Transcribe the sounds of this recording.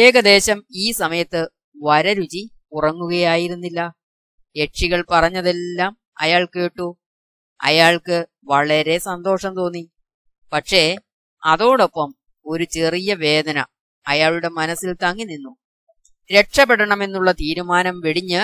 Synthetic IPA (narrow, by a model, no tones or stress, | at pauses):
eːɣɐd̪e̞ːɕɐmiːsɐmɐjɐt̪ːɨ | ʋɐɾɐɾut͡ɕi | urɐŋːuɣɐjaːjiɾunːilːɐ | ɾe̞ʈʂiɣɐɭpɐrɐɲːɐðe̞lːaːm | ɐ̰jaːɭke̞ːʈːu | ɐ̰jaːɭkɨ | ʋɐɭɐɾe̞sɐnd̪o̞ːʂɐmt̪o̞ːnːi | pɐʈʂe̞ | ɐ̰ðo̞ːɽo̞pːɐm | o̞ɾut͡ɕerijɐʋe̞ːd̪ɐnɐ̰ | ɐjaːɭuɽe̞mɐnɐsːilt̪ɐŋːinːinːu | ɾe̞ʈʂɐpːeɽɐɳɐmenːuɭːɐt̪iːɾumaːnɐmʋeɽiɲːɨ